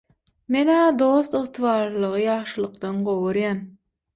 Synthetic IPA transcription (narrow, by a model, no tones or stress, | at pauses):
menɑːd̪ost̪ɯʁt̪ʰɯβɑːɾlˠɯʁɯjɑːʁʃɯlˠɯqd̪ɑnɢowoɾjɑːn